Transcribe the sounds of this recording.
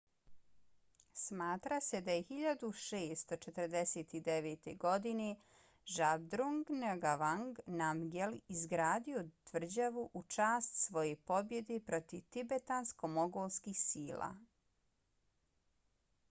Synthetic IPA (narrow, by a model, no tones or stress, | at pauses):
smaːt̪ɾase̞d̪ajexiʎad̪uʃeːst̪ot͡ʃet̪əɾd̪eseːt̪id̪eʋeːt̪e̞ɡo̞d̪ine | ʒabd̪ɾuŋɡneɡaʋaŋɡnamɡelizɡɾaːd̪io̞t̪ʋr̩d͡ʑaʋuʔut͡ʃaːst̪sʋo̞je̞po̞bje̞d̪epɾo̞t̪iʋt̪ibet̪ansko̞moɡoːlskixsiːla̰